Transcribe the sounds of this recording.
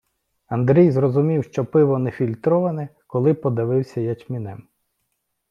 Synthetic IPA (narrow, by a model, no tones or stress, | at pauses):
ɐnd̪ɾɛjzrɔzʊmʲiwʃt͡ʃɔpɪʋɔnɛfʲilʲt̪ɾɔʋɐnɛ | kɔlˠɪpɔd̪ɪʋɪwsʲɐjɐt͡ʃmʲinɛ̰m